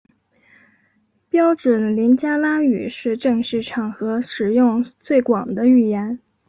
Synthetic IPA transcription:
pjɑ˥ʊʈ͡ʂɔ˨˩nli˧˥nt͡ɕja˥la˥y̰˨˩ʂɻ̩˥˧ʈ͡ʂɤ˥˧ŋʂɻ̩˥˩ʈ͡ʂʰɑ˨˩ŋxɤ˧˥ʂɻ̩˨˩jʊ˥˧ŋt͡swe˥˩ɪkwɑ˨˩ŋd̪ə˦y˥˩jɛ˧˥n

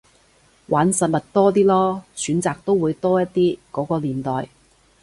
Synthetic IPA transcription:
waː˨˥nsɐ˨t̚mɐ˨t̚t̪ɔː˥t̪̬iː˥lɔː˥syː˨˥nt͡saː˨k̚t̪o˥wuː˨˧jt̪ɔː˥jɐ˥t̚t̪iː˥kɔː˨˥kɔː˧liː˨˩nt̪ɔː˨j

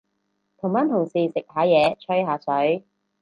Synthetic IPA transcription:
t̪ʰʊ˨˩ŋmaː˨˥nt̪ʰʊ˨˩ŋsiː˨˩sɪ˨k̚haː˨˧˥jɛː˨˧t͡ʃʰɵ˥ɥɦaː˨˥sɵ˨˥ɥ

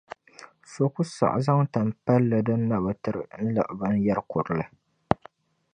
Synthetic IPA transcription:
so˨ku˦sa̰˨ʔza˦ŋta˨m˨pa˦lːɨ˨dɨ˦nː˦a˨ba˨tɨ˨˦ɾɨ̰˨n̩˦lɨ̰˨ʔba˦n˦jɛ˦ɾkʊ˨ɾɨ˨lɨ˨

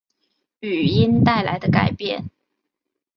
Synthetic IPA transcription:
y˨˩i˥nt̪a˥˩ɪla˧˥ɪd̪ə˧ka̰˨˩ɪpjɛ̰˥˩n

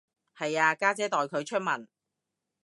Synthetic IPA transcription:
hɐ˨jaː˧kaː˥t͡sɛː˨˥t̪ɔː˨jkʰɵ˨˧ɥt͡ʃʰɵ˥t̚mɐ˨˩n

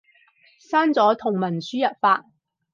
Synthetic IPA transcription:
saː˥nt͡sɔː˨˥t̪ʰʊ˨˩ŋmɐ˨˩nsyː˥jɐ˨t̚faː˧˥t̚

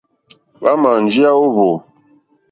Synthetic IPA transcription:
ba˦ma˨n˨d͡ʒi˦a˦o˦βo˨

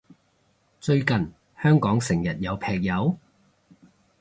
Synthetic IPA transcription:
t͡sɵ˧ɥkɐ˨n | hœː˥ŋkɔː˨˥ŋsɪ˨˩ŋjɐ˨t̚jɐ˨˧wpʰɛː˨k̚jɐ˨˧w

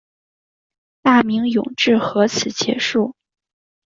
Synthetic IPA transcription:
t̪a˥˩mi˧˥ŋjʊ̰˨˩ŋʈ͡ʂɻ̩˥˩xɤ˧˥t͡sʰɹ̩˨˩t͡ɕjɛ̰˧˥ʂu˥˩

